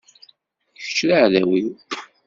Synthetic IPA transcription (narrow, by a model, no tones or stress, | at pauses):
çə̥t͡ʃːɾaʕðæwiw